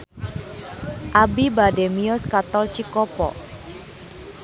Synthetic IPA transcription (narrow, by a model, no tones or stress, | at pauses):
ʔabibademiɔskat̪ɔlt͡ʃikɔpɔ̰